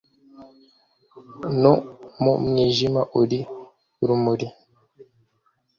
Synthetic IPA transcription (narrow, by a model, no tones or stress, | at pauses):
nomumɲiʒimaʔuɾi | ɾumuɾi